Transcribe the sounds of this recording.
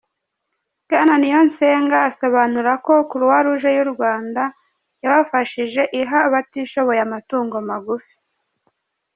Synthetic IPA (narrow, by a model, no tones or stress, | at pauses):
ɡananijo̞nseːŋɡaːso̞βanuɾako̞kuɾuwaɾuʒejuɾɡwaːnda | jaβafaʃiʒe̞ʔiɦaːβatiʃo̞βo̞jamatuːŋɡo̞maɡufi̥